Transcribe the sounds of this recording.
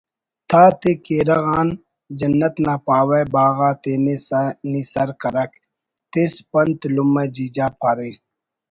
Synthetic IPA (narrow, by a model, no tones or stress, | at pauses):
t̪ʰaːt̪ekeːɾɐɣaːn | d͡ʒɐnːɐt̪naːpaːwejbaːɣaːt̪eːnenisɐɾkɐɾɐk̚ | t̪espɐnt̪lumːed͡ʒiːd͡ʒaːpʰɐɾiː